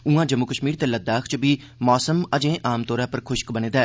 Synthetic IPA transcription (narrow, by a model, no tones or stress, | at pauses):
ũãːd͡ʒəmːukəʃmiːɾt̪eːləd̪aːkʰt͡ʃbiː | mɔːsəməd͡ʒẽːʔaːmt̪oːɾãːpəɾkʰʊʃkbənẽːd̪aː